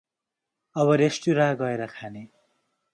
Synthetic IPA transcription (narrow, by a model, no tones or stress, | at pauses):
ʌbʌɾesʈuɾãɡʌeɾʌkʰane